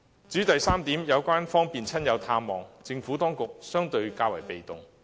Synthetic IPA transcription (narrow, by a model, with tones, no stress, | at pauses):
t͡syː˨˥t̪ɐ˨jsaː˥mt̪iː˨˥mjɐ˨˧wkʷaː˥nfɔː˥ŋpiː˨nt͡sʰɐ˥njɐ˨˧wt̪ʰaː˧mːɔː˨˩ŋt͡sɪ˧ŋfuː˨˥t̪ɔː˥ŋkʊ˨k̚sœː˥ŋt̪ɵ˧ɥkaː˧wɐ̰˨˩jpe˨jt̪ʊ˨ŋ